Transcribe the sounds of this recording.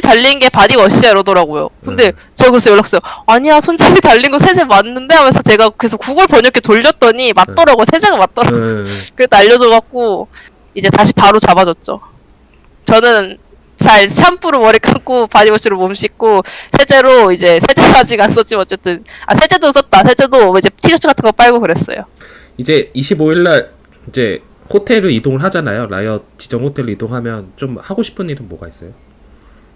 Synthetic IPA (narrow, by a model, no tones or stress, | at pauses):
itaʎːinnɡe̞padiʌɕ͈iaɾʌdʌɾaɡojo̰kɯnde̞ | t͡ɕʌkɯɾʌsʰʌjoɭːak̚s͈ʌoaɲiasʰond͡ʑamitaʎːinɡosʰe̞d͡ʑemanːɯnde̞ɦamesʰʌt͡ɕe̞ɡakɯe̞sʰokuɡɯɭpʌɲʌkʰetoʎːʌt̚t͈ʌɲimat̚t͈ʌɾaɡosʰed͡ʑeɡamat̚t͈ʌɾaɡookɯɾedoaʎːʌd͡ʑʌɡak̚k͈o | id͡ʑe̞taɕʰi̥paɾot͡ɕabad͡ʑʌt̚t͡ɕ͈o̰ | t͡ɕʌnɯn | t͡ɕaɭɕʰampʰuɾomʌɾik͈ʰak͈opaɲibʌɕ͈ʰiɾomomɕʰik̚k͈osʰe̞t͡ɕ͈e̞ɾoid͡ʑe̞sʰe̞d͡ʑesad͡ʑiɡans͈ʌt͡ɕ͈imʌt͡ɕ͈e̞t͈ɯna̰sʰe̞d͡ʑ͈e̞dois͈ʌt̚t͈asʰe̞t͡ɕ͈e̞doid͡ʑe̞tʰid͡ʑʌt͡ɕʰɯkatʰɯnŋɡʌp͈aɭɡokɯɾe̞s͈ʌ̰jo̰ | id͡ʑe̞iɕʰiboiɭːaɾ | id͡ʑe̞̰ | hotʰe̞ɾɯidoŋɯɭɦad͡ʑanajoɾa̰jʌt͡ɕi̥d͡ʑʌŋhotʰe̞ɾɯidoŋɦamjʌnt͡ɕomhaɡoɕʰi̥pʰɯniɾɯnmoɡais͈ʌ̰jo